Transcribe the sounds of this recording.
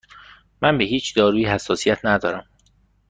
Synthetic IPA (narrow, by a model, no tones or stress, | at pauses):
mænbe̞ɦiːt͡ʃʰd̪ɒːɾuːjihæsːɒːsijæt̪ʰnæd̪ɒːɾæm